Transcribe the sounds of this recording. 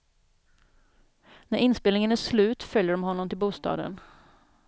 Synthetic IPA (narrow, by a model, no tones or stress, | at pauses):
næɾɪnspɪlnɪŋənæslʉ̟ːt̪fœljəɖɔmhɔnːɔmt̪ʰɪlbuːst̪ɑ̰ːd̪ə̰n